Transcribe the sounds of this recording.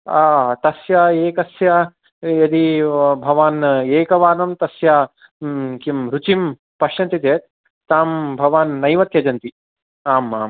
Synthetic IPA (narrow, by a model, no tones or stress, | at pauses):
aːt̪ɐsjaeːkɐsja | jɐd̪ibʱɐʋaːneːkɐʋaːnɐmt̪ɐsja | kimɾut͡ʃim | pɐʃjɐnt̪it̪eːt̪̚ | t̪aːmbʱɐʋaːnːɐjmɐt̪jɐd͡ʒɐnt̪i | aːmaːm